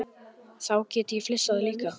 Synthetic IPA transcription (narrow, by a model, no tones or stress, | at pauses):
sawkit̪iflisəːlika